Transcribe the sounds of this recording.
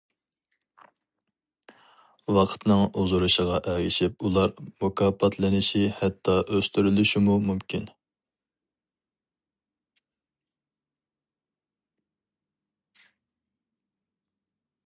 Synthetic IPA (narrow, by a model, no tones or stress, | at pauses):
wɑqʰə̥t̪nɨŋuzuɾuʃəʁɑʔɛɡʲɪʃipulˠɑɾmokʰɑːpʰɑt̪ʰlɪnɪʃihɛt̪ʰːɑʔøst̪ʰyɾylyʃimumumkʲin